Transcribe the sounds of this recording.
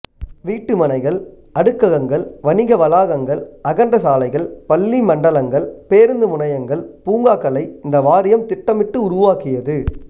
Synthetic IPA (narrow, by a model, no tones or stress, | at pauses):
ʋiːʈːɯmɐnɐɪɣɐɭ | ʔɐɽɯkːɐɣɐŋɡɐɭʋɐnɪɣɐʋɐlaːɣɐŋɡɐɭɐɣɐɳɖɐsaːlɐɪɣɐɭpɐlːimɐɳɖɐlɐŋɡɐɭpeːɾɯnd̪ɯmʊnɐjɐŋɡɐɭpuːŋɡaːkɐlɐɪɪnd̪ɐʋaːɾɪjɐmt̪ɪʈːɐmɪʈːɯʊɾʊʋaːkɪjɐðɯ